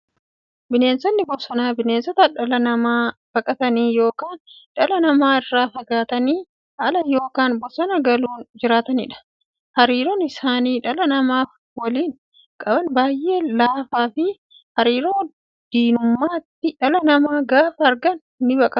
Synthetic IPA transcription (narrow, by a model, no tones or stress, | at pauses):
bɪne̞ːnsɔnːɪbɔsɔnaːbɪneːnsɔt̪ɐᶑɐlɐnɐmaːb̥ɐkʼɐt̪ɐniːjo̞ːkaːnᶑɐlɐnɐmaːɪrːaːfɐɡaːt̪ɐniː | hɐlɐjo̞ːkaːnbɔsɔnɐɡɐluːnd͡ʒɪɾaːt̪ɐnɪ̰ᶑɐ̥ | hɐɾiːɾonɪsaːniːᶑɐlɐnɐmaː | wɐliːn | kʼɐbɐnbaːjʔe̞ːlaːfaːfɪ | hɐɾiːɾoː | d̪̥iːnʊmːaːt̪ːɪᶑɐlɐnɐmaːɡaːfɐɐɾɡɐn | nːɪbɐkʼɐ